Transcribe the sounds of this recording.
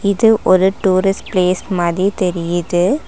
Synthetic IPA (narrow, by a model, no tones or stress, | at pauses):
ɪðɯʔɔɾɯʈuːɾɪsʈpleːsʈmɐðit̪ɛɾɪjɐðɯ